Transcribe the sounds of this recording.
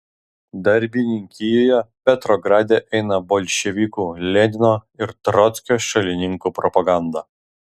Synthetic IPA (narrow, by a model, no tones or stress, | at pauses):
d̪ɐɾʲbʲinʲɪŋʲkʲɪjoːjɛpʲɛt̪ɾɔɡɾɑːd̪ʲeʔɛɪnɐbɔlʲʃʲɛʋʲikuːlʲɛd̪ʲɪnoːɪɾt̪ɾɔt̪sʲkʲoːʃɐlʲɪnʲɪŋkuːpɾɔpɐɡɑˑnd̪ɐ